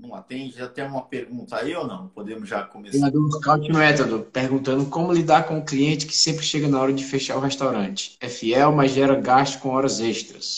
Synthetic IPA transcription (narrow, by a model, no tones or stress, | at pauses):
nɐ̃w̃a̰t̪ẽd͡ʒat̪ɛ̃ũmɐpeɾɡũnt̪ɐaiownɐ̰̃w̃pod̪ẽmʊzʒakomesead̪oɾskawt͡ʃɪnʊmɛt̪od̪ʊpeɾɡũnt̪ɐ̃nd̪ʊkõmʊlid̪aɾkõʊkliẽnt͡ʃɪ̥kɪ̥sẽmpɾɪʃeɡɐnaɔɾɐd͡ʒɪfeʃaɾʊɦeʃt̪awɾɐ̃t͡ʃɪ̥ɛfiɛwmɐzʒɛɾɐɡaʃt̪ʊ̥kõɔɾɐzeʃt̪ɾɐs